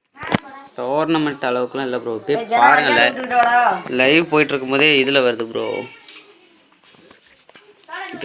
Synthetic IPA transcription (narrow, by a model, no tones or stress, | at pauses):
t̪oːɾnɐmɐɳʈɐɭɐʋɯkːɐlãɪlːɐpɪɾoːɪpːeaːɾɐŋɡɐɭːɐ | lɐɪʋpoːjɪʈːɪɾɯkːɯmpoːðeɪðɯlɐʋɐɾɯðɯpɪɾo̰ː